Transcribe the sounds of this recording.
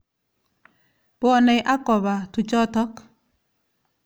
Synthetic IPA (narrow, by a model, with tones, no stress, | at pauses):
pʊ˦ɔ˦nɛ˨jʔa˦kɔ˨βa˨tu˨t͡ʃɔ˦tɔ˦k